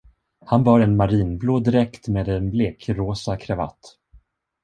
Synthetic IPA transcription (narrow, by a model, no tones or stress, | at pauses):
hanvɑɾɛnmaɾiːnbloːd̪ɪɾɛkt̪meːd̪ɛnbleːkʰɾoːsakʰɾava̰t̪ː